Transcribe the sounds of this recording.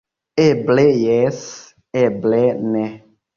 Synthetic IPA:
eblejɛs | ɛblɛnɛ

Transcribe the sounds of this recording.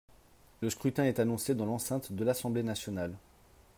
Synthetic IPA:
ləskχyt̪ɛ̃ɛt̪anɔ̃sed̪ɑ̃lɑ̃sɛ̃t̪d̪əlasɑ̃blenasjɔnal

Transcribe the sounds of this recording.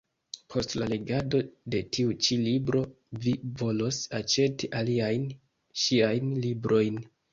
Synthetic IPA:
pʰo̞stlale̞ɡado̞de̞tʰiut͡ʃilibɾo̞ | vivo̞lo̞sat͡ʃe̞tiʔaliajn | ʃiajnlibɾʔo̞jn

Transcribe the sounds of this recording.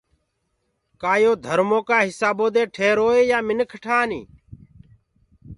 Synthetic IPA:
kaːjoːd̪ʱəɾmoːkaːɦɪsaːboːd̪eːʈʰeːɾoːeːjaːmɪnəkʰʈʰaːnḭː

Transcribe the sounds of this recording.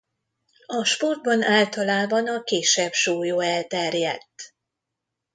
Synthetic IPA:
ɒʃpo̞rd̪̚bɒnaːlt̪ɒlaːbɒnɒkeːʃɛbʃuːjoːɛlt̪ɛrjɛt̪ː

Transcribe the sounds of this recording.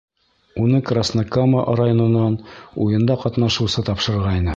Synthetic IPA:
unɤkrasnakaməʔrajonɤ̆nːɑnujɤ̆nd̪ɑqɒt̪nɑʃɤ̆wsɤt̪ɑpʃɤ̆ɾɾʁɑjnɤ

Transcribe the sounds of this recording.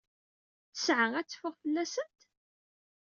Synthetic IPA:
θəsʕəŋæt͡sːfʊʁfəlːæsənt̪

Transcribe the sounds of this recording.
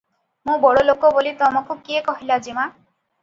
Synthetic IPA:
mũbɔɽolokobolit̪ɔmɔkukiekɔɦilad͡ʒima

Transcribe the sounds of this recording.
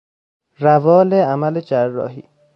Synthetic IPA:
ɾævɒːleamæled͡ʒærːɒ̰ːɦḭː

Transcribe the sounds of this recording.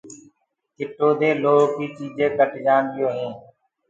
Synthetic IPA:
kɪʈoːd̪eːloːkiːt͡ʃiːd͡ʒẽːkəʈd͡ʒaːnd̪ɪjoːɦẽː

